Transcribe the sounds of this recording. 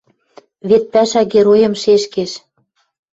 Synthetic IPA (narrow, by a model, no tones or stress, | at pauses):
βet̪̚pæʃæɣeɾojɤ̆mʃeʃkeʃ